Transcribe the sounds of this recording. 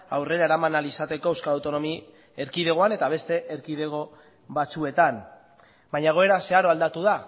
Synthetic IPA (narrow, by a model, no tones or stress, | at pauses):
awre̞ɾaeɾamanalisat̪e̞ko̞ewskalawt̪o̞no̞mi | e̞ɾkiðe̞ɣo̞ane̞t̪aβ̞e̞st̪e̞ʔeɾkið̞e̞ɣ̞o̞ | βat͡sue̞t̪an | baɲaeɣ̞oe̞ɾase̞aɾo̞ald̪at̪uða